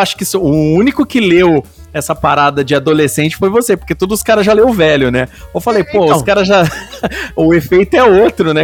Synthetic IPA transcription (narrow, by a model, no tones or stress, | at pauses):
aʃʊ̥kɪisʊʊũnikʊkɪlew | ɛsɐpaɾad̪ɐd͡ʒɪad̪olesẽnt͡ʃɪ̥fojvosepoɾket̪od̪ʊzʊ̥skaɾɐzʒalewʊvɛlʊnɛewfalejpoʊskaɾɐzʒa | ʊefejt̪ʊɛot̪ɾʊnɛ